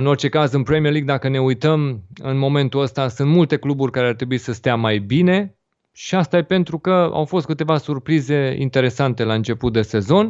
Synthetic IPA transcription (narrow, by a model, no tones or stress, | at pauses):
ɨno̞rt͡ʃe̞kazɨnpɾe̞mijerliɡ̚d̪akəne̞ujt̪əmɨnmo̞me̞nt̪uəst̪asɨnt̪mult̪e̞kluburʲkaɾeart̪ɾe̞buisəst̪eamajbine̞ | ʃiast̪aepe̞nt̪ɾukəa̰wfo̞st̪̚kɨt̪e̞vasurpɾize̞ḭnt̪e̞ɾe̞sant̪e̞laɨnt͡ʃe̞put̪̚d̪e̞se̞zo̞n